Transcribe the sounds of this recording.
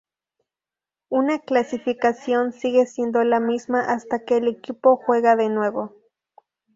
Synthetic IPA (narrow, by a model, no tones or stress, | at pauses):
unaklasifikasjonsiɣesjend̪olamismaʔast̪akelikipoxweɣaðenweβo